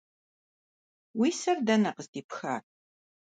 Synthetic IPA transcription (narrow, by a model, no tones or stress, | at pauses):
wiːsɐrdɐnɐqəsdiːpxa̰ːr